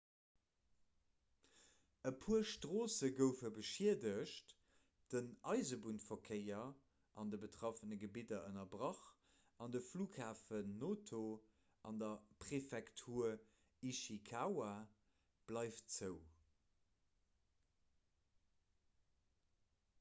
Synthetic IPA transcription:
əpʰuːɐʃtʁoːsəɡəʊfəbəʃiədəʃt | d̥ənɑɪzəbuntfokʰəɪɐ | ʔɑndəbətʁɑfənəɡəbidɐʔənɐbʁɑχ | ɑndəfluːkʰhaːfənːoːtʰo | ʔɑndɐpʁefɛktʰuːɐ | iʃikʰawa | b̥lɑɪft͡səʊ

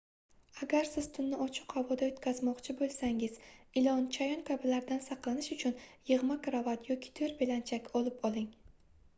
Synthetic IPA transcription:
aɡʲaɾsɪz̥t̪ʰʊnːɪɒt͡ʃʰɪ̥qhavɒd̪aot̪kʲʰazmɒqt͡ʃʰɪbolˠsaŋɪz̥ɪlɒnt͡ʃʰajɒnkʲʰabɪlaɾd̪ansɑqlˠanɪʃʊt͡ʃʰʊnjɨʁmakʰɾavat̪jɒkʲʰɪ̥t̪ʰoɾbɪlant͡ʃʰakʲɒlˠɪpɒlˠɪŋ

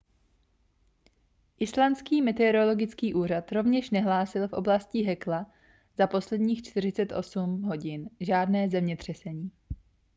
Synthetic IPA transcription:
ʔɪslant͡skiːmɛt̪ɛɾolo̞ɡɪt͡skiːʔuːrat̪ɾo̞vɲɛʃnɛɦlaːsɪlfʔo̞blascɪɦɛkla | zapo̞slɛdɲiːxt͡ʃt̪ɪr̝ɪt͡sɛt̪ʔo̞sumɦo̞ɟɪnʒaːdnɛːzɛmɲɛt̪r̝̥ɛsɛɲiː

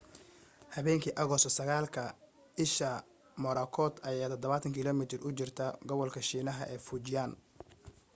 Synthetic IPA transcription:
hɐβɛːŋkʰiːʔɐɣɔsɔsɐɣaːlkʰɐ | ɪʃɐ | mɔɾɐkʰɔːd̪ɐjaːt̪ʰɔd̪ɔβaːt̪ʰɐŋkʰɪlɔmɪt̪ʰɪrʊt͡ʃɪrt̪ʰɐɡɔβɔlkʰɐʃiːnɐɦɐʔɛːfut͡ʃɪjaːn

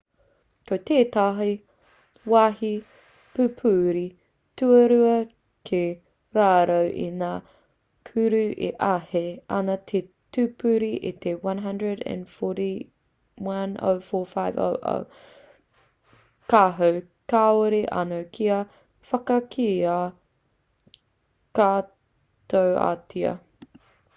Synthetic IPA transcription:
kot̪eːt̪aɦi | wahi | pʉpʰʉːɾi | tʉɐɾʉɐ | kʰe | ɾaːɾɐwʔḭnaː | kʰʉɾʉʔḛʔɐheɐ̰nɐt̪ʰe | tʉpʰʉɾiʔḭt̪ʰewɐ̃nɦɐ̃ndɹədæ̰̃nfɔɾi | wɐno̰wfɔːfaɪvo̰wʔo̰w | kaːɦɐw | kaːoɾiʔa̰nowkʰiɐ | fɐkɐkʰiaː | kaː | t̪owa̰tʰiɐ̰

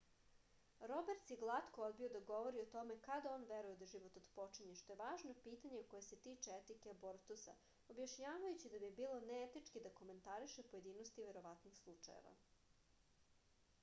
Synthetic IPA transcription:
ɾo̞beɾt̪jeɡlˠat̪ko̞o̞d̪̚biod̪aɡo̞ʋo̞ɾiot̪o̞me̞kad̪aonʋeɾuje̞d̪aʒiʋot̪od̪po̞t͡ʃiɲeʃt̪o̞je̞ʋaːʒnopiːt̪aɲeko̞jese̞t̪iːt͡ʃeet̪ikeboɾt̪usa̰ | objaʃɲaːʋajut͡ɕid̪abibiːlˠo̞neet̪it͡ʃkid̪ako̞me̞nt̪aɾiʃe̞po̞je̞d̪iːnost̪iʋe̞ɾo̞ʋat̪nixslˠut͡ʂa̰jḛʋa̰

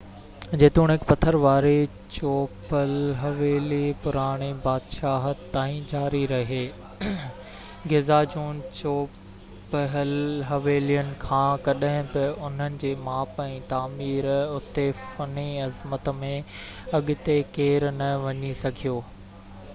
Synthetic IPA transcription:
d͡ʑeːt̪ũːɽ̃ɦɪkpɐt̪ʰəɾʋaːɾe | t͡ɕoːpəlɦɐʋeːlipʊɾaːɽ̃ebaːd̪ʃaːɦət̪aːĩd͡ʑaːɾiɾɐɦeː | ɡezaːd͡ʑuːnt͡ɕoː | pɦlɦɐʋeːlijənɪ̆kʰãːkɐɗaɦɪ̃bɪʊn̤ənɪ̆d͡ʑeːmaːpɛ̃ːt̪aːmiːɾʊt̪efɐneɐzmət̪mẽ | ɐɠɪt̪ekeːɾnɐʋɐɲisɐɡʱijoː

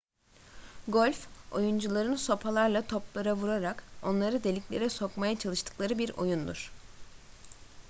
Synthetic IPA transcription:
ɡolʲfo̞̰jund͡ʒulˠaɾɯnso̞pʰalˠaɾlˠat̪ʰo̞plˠaɾavuɾaɾako̞nlˠaɾɯd̪e̞lʲiclʲe̞ɾɛso̞kmajat͡ʃʰalˠɯʃt̪ʰɯ̥klˠaɾɯbiɾo̞̰jund̪uɾ̥

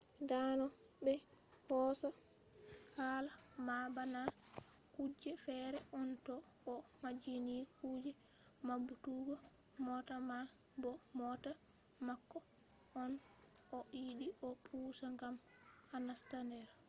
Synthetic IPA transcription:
danɔbɛhɔːsa | halamabanakud͡ʒːɛfɛɾɛʔɔntɔɔmad͡ʒinikʰuːd͡ʒɛmabutuɡɔmɔtamabɔmɔtamakːɔʔɔnʔɔʔidiʔɔpʰuːsaŋɡamanastandɛɾ

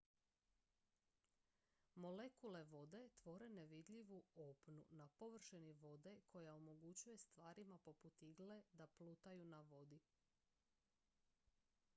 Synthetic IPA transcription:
mo̞le̞kule̞ʋo̞d̪e̞t̪ʋo̞ɾe̞ne̞ʋid̪ʎʲiʋuopnunapo̞ʋr̩ʃeniʋo̞d̪e̞kʰo̞jaomo̞ɡut͡ɕuje̞st̪ʋaːɾimapo̞put̪iɡle̞d̪aplut̪ajunaʋo̞d̪i

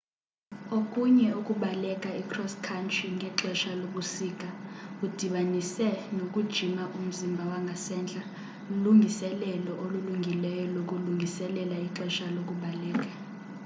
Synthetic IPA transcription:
okʼuɲɛukʼuɓalɛkʼaikʰrɔskʰantʰʼriŋʱɛǁɛʃaloɓusiːk̬ʼaud̥ʱiɓanisɛnokʼud̥ʒ̥ʱimaʔum̩zimbʱawaŋɡʱasɛnd͡ɮʱa | luŋɡʱisɛlɛlɔʔoluluŋɡʱilɛjɔlok̬ʼuluŋɡʱisɛlɛlaiǁɛʃalok̬ʼuɓalɛːk̬ʼa

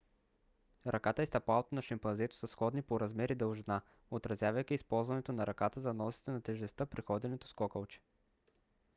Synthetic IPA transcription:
ɾʔɐkat̪əist̪ɐpalˠot̪onɐʃɐmpɐnzɛt̪o̥sɐsxɔd̪nipoɾɐzmɛɾid̪əlˠʒna | ot̪ɾɐzjavɐjkʲiispɔlˠzvɐnɛt̪onɐɾɐkat̪əzɐnɔsi̥t̪ɛnɐt̪ɛʒɛst̪əpɾixɔd̪ɛnɛt̪o̥skɔkəlˠt͡ʃɛ̥

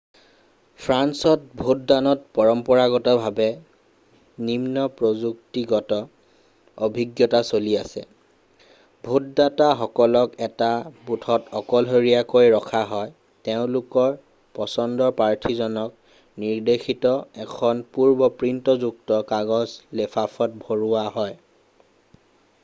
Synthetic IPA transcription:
pʰɹansɔt̚bʱut̚danɔt̚pɔɹɔmpɔɹaɡɔtɔbʱabɛ | nimnɔpɹozuk̚tiɡɔtɔ | obʱiɡjɔtasoliasɛ̰ | bʱut̚dataxɔkɔlɔkɛtabutʰɔtɔkɔlɦoɹijakojɹɔkʰaɦɔj | teʊ̃lʊkɔɹ | pɔsɔndɔpaɹtʰizɔnɔk̚ | niɹdexʰitɔɛkʰɔnpuɹbɔpɹintɔzuk̚tɔkaɡɔzlepʰapʰɔt̚bʱoɹuwaɦɔj

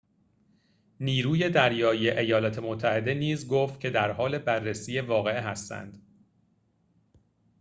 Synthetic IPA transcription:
niːɾuːje̞d̪æɾjɒːijeʔejɒːlɒːt̪ʰe̞mot̪ʰːæhe̞d̪e̞niːzɡoft̪̚cʰe̞d̪æɾhɒːle̞bærːesiːje̞vɒːɣe̞eɦæst̪æ̰nd̪̥

